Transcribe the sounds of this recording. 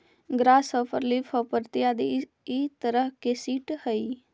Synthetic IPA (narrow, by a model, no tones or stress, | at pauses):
ɡɾaːsəpəɾlifʰɔpəɾt̪ijad̪i | it̪əɾəɦkesiːʈhəi